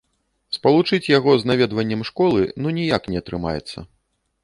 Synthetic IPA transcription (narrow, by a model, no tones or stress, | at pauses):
spɐlˠut͡ʂɨt͡sʲjaɣɔznavʲɛd̪vɐnʲːɐmʂkɔlˠɨnunʲijaknʲɛɐt̪ɾɨma̰jɛ̰t̪sːɐ̰